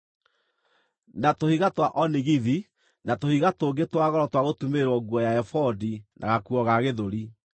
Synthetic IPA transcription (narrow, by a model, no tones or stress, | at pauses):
natohiɣatwaʔɔniɣiði | natohiɣatoːɡetwaɣɔɾɔtwaɣotumeɾwɔɡwɔjaɛfɔdinʔa̰ɣakuɔɣaɣeðoɾi